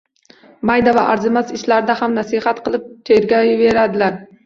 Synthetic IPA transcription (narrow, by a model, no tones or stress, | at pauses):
majd̪avaʔaɾzɪmazɪʃlaɾɪd̪ahamnasɪhat̪qʰɨlˠɪp̚t̪ʰeɾɡʲɒjɪve̞ɾad̪ɪlaɾ